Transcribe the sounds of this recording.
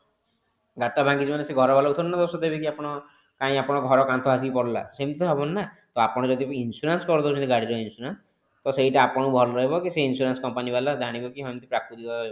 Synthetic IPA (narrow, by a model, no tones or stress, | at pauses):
ɡat̪abʱãŋɡid͡ʒimaneseɡʱɔɾɔbalaut̪ʰɔnːɔd̪osɔd̪ebikiapɔɽ̃ɔ | kaĩapɔɽ̃ɔɡʱɔɾɔkant̪ʰɔɦas̬ipɔɽla̰semit̪ɔɦɔbɔnːa | t̪ɔapɔɽ̃ɔd͡ʒɔd̪ʱiinsuɾanskɔɾɔd̪ɔut͡ʃʰɔnt̪iɡaɽiɾɔinsuɾans | t̪ɔseiʈaːpɔɽ̃ubʱɔlɔɾɔɦibɔkiseinsuɾanskɔmpanibalad͡ʒaɽ̃ibɔkiɦɔj̃mt̪ipɾak̚t̪ud̪ikɔɔib